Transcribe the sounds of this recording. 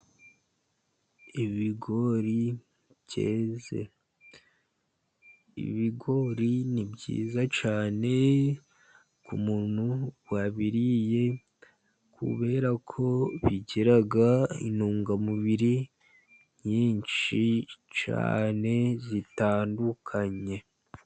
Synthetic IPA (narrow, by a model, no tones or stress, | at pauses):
iβiɡo̞ɾi | bɟe̞ːze̞̰ | ḭβiɡo̞ɾinibɟḭːzat͡ʃaːne̞ | kumuːn̥huwaβiɾije̞ | kʰṵβe̞ːɾakʰo̞βiɟeɾaɡaḭnuːŋɡamuβiɾi | ɲiːnt͡ʃit͡ʃa̰ːne̞zitaːndukʰaɲe̞